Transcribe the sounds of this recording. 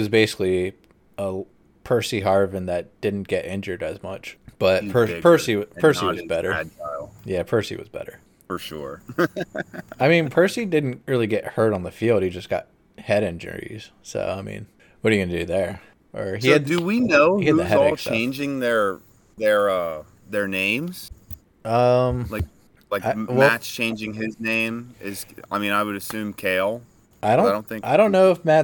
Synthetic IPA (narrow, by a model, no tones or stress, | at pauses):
wʌzbeɪsɪ̥kli | ə | pʰɜ˞siɦɑɹvɨ̃nðɨt̚d̥ɪdⁿn̩ɡ̥ɛɾʔɪ̃nd͡ʒə˞ɾɨzmʌt͡ʃb̥ʌt̚pʰɜ˞pʰɜ˞siʌpʰɜ˞siwʌzbɛɾə̰˞aɪlˠjæpʰɜ˞sḭwʌ̰zbɛ̰ɾə̰˞ | fə˞ʃʊ̰ɹ | aɪmĩnpʰɜ˞sidɪdⁿn̩t̚ɹɪlˠiɡɛʔ̚hɜ˞ɾn̩ðəfilˠd̚hid͡ʒʌsɡ̥ɑ̰t̚ | hɛɾɛ̃nd͡ʒɨ̰n̰ḭz̥ | so̰ʊaɪmḭ̃n | wʌɾɨɡʌnɨdɨðə˞ | ʔə˞iɨd̚dɨwinoʊhiɨʉðɨzɛɔlˠst͡ʃʰẽɪ̃nd͡ʒɪ̃ŋðə˞ | ðə˞ʌ | ðə˞nẽɪ̃mz̥ | ʔʌ̃mlaɪk̚ | laɪawɛætst͡ʃʰẽɪ̃nd͡ʒɪ̃ŋɪznẽɪ̃mɪz̥a̰ɪmĩnaɪwɨɾɨsʉ̃mkʰeɪlˠ | aɪɾõʊ̃dõʊ̃nθɪ̃ŋaɪɾõʊ̃nːoʊəfmæ